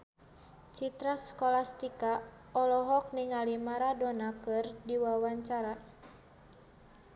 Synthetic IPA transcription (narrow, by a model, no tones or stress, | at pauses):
t͡ʃit̪ɾaskɔlast̪ika | ɔlɔɦɔk̚niŋalimaɾadɔnakɨrdiwawaɲt͡ʃaɾa